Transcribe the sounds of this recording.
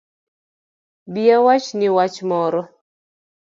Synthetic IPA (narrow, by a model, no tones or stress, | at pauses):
biawat͡ʃnɪwat͡ʃmɔɾɔ